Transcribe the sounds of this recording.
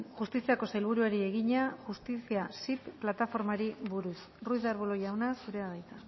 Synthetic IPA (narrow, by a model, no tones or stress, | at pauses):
xust̪isiako̞sajlβ̞uɾuaɾie̞ɣiɲaʝust̪isiasipːlat̪afo̞ɾmaɾiβuɾus | rujðaɾβuloʎawnasuɾe̞aðajt̪a